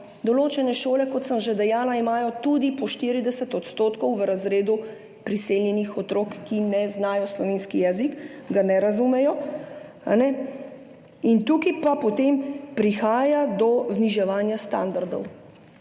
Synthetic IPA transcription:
d̪ɔloːt͡ʃɛnɛʃoːlɛkɔt̪səmʒed̪ɛjaːlaimaːjɔt̪ud̪ipɔʃt̪iːɾid̪ɛsɛt̪ɔt̪st̪oːt̪kɔwʋɾazɾeːd̪u | pɾiseːljɛnixɔt̪ɾoːkːinɛznaːjɔslɔʋeːnskijɛːzikɡanɛɾazumɛjɔ | a̰nɛ | int̪ukipapɔt̪empɾixaːjad̪ɔzniʒɛʋaːnjast̪a̰nd̪aɾd̪ɔ̰w

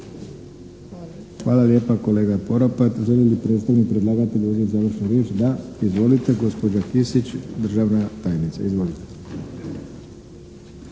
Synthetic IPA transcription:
xʋaːlalje̞ːpako̞le̞ːɡapo̞ɾopat̪ʒelilipɾe̞t̪st̪aʋnipɾed̪lˠaːɡat̪id̪uzezaːʋɾr̩ʃnuɾje̞ːt͡ʃd̪aizʋo̞lit̪e̞ɡo̞spo̞d͡ʑakisit͡ɕd̪r̩ʒaʋnat̪aːjenit̪sa̰izʋo̞lit̪e

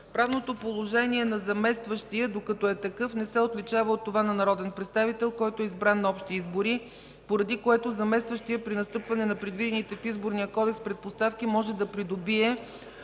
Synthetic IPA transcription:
pɾavnot̪opolˠoʒɛniɛnɐzɐmɛst̪vəʃt̪iəd̪okɐt̪ɔɛt̪ɐkɤfnɛsɛot̪lit͡ʃavəot̪ːovanɐnɐɾɔd̪ɛnpɾɛt̪st̪avit̪ɛlˠkɔjt̪oɛizbɾanːɐɔpʃt̪iizboɾi | poɾɐd̪ikoɛt̪ozɐmɛst̪vəʃt̪ijəpɾinɐst̪ɤpvɐnɛnɐpɾɛd̪vid̪ɛnit̪ɛfizboɾnijəkɔd̪ɛkspɾɛt̪̚post̪afk̟imɔʒɛd̪ɐpɾid̪obiɛ

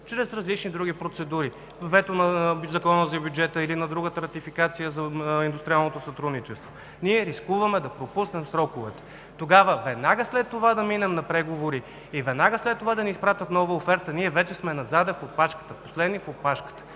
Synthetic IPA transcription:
t͡ʃɾɛsɾɐzlit͡ʃnid̪ɾuɡʲipɾot̪sɛd̪uɾi | vɛt̪onɐzɐkɔnəzɐbjud͡ʒɛt̪əilinɐd̪ɾuɡət̪əɾɐt̪ifikat̪sijəzɐind̪ʊst̪ɾʲialˠnot̪osɐt̪ɾud̪nit͡ʃɛst̪vo | niɛɾiskuvɐmɛd̪ɐpɾopusnɛmsɾɔkʊvɛt̪ɛ̥ | t̪oɡavəvɛd̪naɡəslɛt̪ːovad̪ɐminɛmnɐpɾɛɡovoɾi | ivɛd̪naɡəslɛt̪ːovad̪ɐnɛispɾat̪ʲət̪nɔvəofɛɾt̪əniɛvɛt͡ʃɛsmɛnɐzad̪ɛfopaʃkə̥t̪əposlɛd̪nifopaʃkə̥t̪ə̥

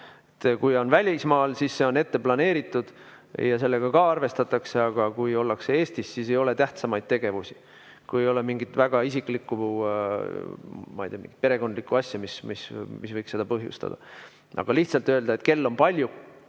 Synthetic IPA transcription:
et̪ːkujo̞nvælʲismɑːlsisːe̞o̞ne̞t̪ːe̞plɑne̞ːɾit̪ːˑud̪̥ | jɑse̞lːe̞ɡ̥ɑkɑɑrve̞st̪ɑt̪ːˑɑkse̞ɑɡ̥ɑkujo̞lːɑksee̞ːst̪isːise̞jo̞le̞t̪æht̪sɑmɑjd̪̥̚t̪e̞ɡ̥e̞vusi̥ | kuje̞jo̞lemiŋɡit̪væɡ̥ɑis̬iklikːˑuu | mɑ̰ijt̪iɑmḭŋɡ̥i̥t̪peɾe̞ɡo̞nd̪likːˑuɑsʲjɑmismismisvɤjkse̞d̪̥ɑpɤɦjṵst̪ɑ̰d̪̥ɑ̰ | ɑ̰ɡ̥ɑliht̪sɑlt̪ːˑøːld̪ɑet̪ke̞lːo̞mpɑlʲju

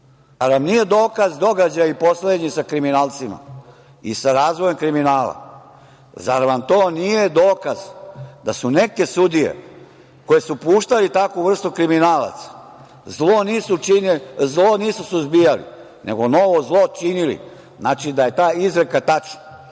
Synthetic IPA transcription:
aɾamnije̞d̪oːkazd̪o̞ɡad͡ʑajaiposled̪ɲisakɾiminaːlt̪sima̰ | ḭsaɾaːzʋojemkɾiminaːla̰ | zaɾaʋamt̪oːnije̞d̪oːkaz̥d̪asune̞ke̞sud̪ijḛ | ko̞je̞supuːʃt̪alit̪akuʋr̩st̪ukɾiminaːla̰t̪sḁ | zloniːsut͡ʃinzloniːsusuzbijalḭ | nʔḛɡo̞no̞ʋozlˠo̞t͡ʃinilḭ | znaːt͡ʃid̪aje̞t̪aːizɾekat̪at͡ʃna

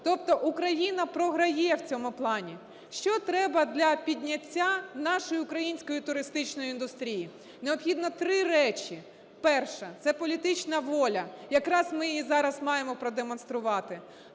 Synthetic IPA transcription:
t̪ɔp̚t̪ɔʔukɾɐjinɐpɾɔɦɾɐjɛwt͡sʲɔmʊplˠɑnʲi | ʃt͡ʃɔt̪ɾɛbɐd̪lʲɐpʲidʲnʲɐtʲːanɑʃɔjiʊkɾɐjinʲsʲkɔjit̪ʊɾɪst̪ɪt͡ʃnɔjʊind̪ʊst̪ɾʲiji | neɔpxʲid̪nɔt̪ɾɪɾɛt͡ʃʲi | pɛrʃɛt̪sɛpɔlʲit̪ɪt͡ʃnɐʋɔlʲɐjɐkɾɑzmɪizɑɾɐzmɑjemɔpɾɔd̪emɔnst̪ɾʊʋɑt̪ɪ

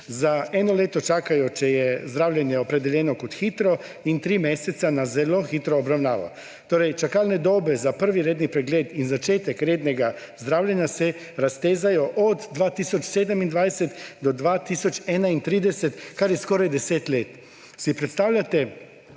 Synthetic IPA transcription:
zaɛːnɔleːt̪ɔt͡ʃaːkajɔt͡ʃɛjɛzd̪ɾaːwlʲjɛnjɛɔpɾɛd̪ɛljɛːnɔkɔt̪xiːt̪ɾɔ | int̪ɾiːmeːsɛt̪sanazɛloxit̪ɾɔːbɾawnaːʋɔ̰ | t̪oːɾɛjt͡ʃakaːlnɛd̪oːbɛzapəɾʋiɾeːd̪nipɾɛɡleːt̪inzat͡ʃeːt̪ɛkɾeːd̪nɛɡa | zd̪ɾaːwlʲjɛnjasɛ | ɾast̪eːzajɔʔɔd̪d̪ʋaːt̪iːsɔt͡ʃseːd̪ɛmind̪ʋajsɛt̪d̪ɔd̪ʋaːt̪iːsɔt͡ʃɛːnaint̪ɾiːd̪ɛsɛt̪kaɾjɛskoːɾajd̪ɛseːt̪leːt̪ | sipɾɛt̪st̪aːwlʲat̪ɛ

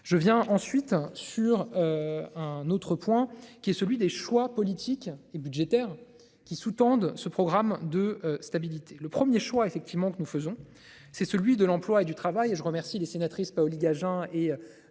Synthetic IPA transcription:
ʒəvjɛ̃ʔɑ̃sɥit̪syʁøɛ̃not̪χəpwɛ̃kʲiɛsəlɥid̪eʃwapɔlit̪ʰikebyd̪ʒet̪ɛʁ | kʲisut̪ɑ̃d̪səpχɔɡʁamd̪əst̪abilit̪ʰe̥ləpχəmjeʃwaefɛk̚t̪ʰivmɑ̃kənufəzɔ̃ | sɛsəlɥid̪əlɑ̃plwaed̪yt̪χavajeʒəʁəmɛʁsilesenat̪χispaɔliɡaʒɛ̃e

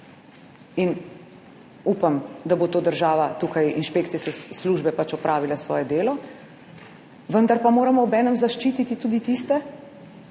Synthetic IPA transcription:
in | uːpamd̪abot̪oːd̪əɾʒaːʋat̪uːkajinʃpeːkt̪siskɛsluːʒbɛpat͡ʃɔpɾʔaːʋilasʋɔ̰ːjɛd̪eːlɔ | ʋənd̪aɾpamoːɾamɔɔbɛːnəmzaʃt͡ʃiːt̪it̪it̪uːd̪it̪ist̪ɛ

